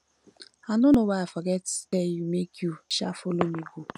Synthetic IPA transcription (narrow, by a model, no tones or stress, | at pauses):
anʊnowafaɡɛttejumekʰjuʃa̰folomiɡu